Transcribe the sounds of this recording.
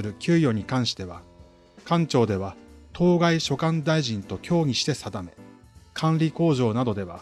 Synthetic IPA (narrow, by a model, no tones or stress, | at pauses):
ɨɾɯ̟kʲɨːjo̞ɲ̟ikãɰ̃ɕi̥t̪e̞βa | kãɲt͡ɕo̞ːd̪e̞βat̪ʰo̞ːɡaiɕo̞kãnd̪aiʑĩnt̪o̞kʲʰo̞ːɲ̟iɕi̥t̪e̞sad̪ame̞ | kʰãnɾʲiko̞ːʑo̞ːnad̪o̞d̪e̞βa̰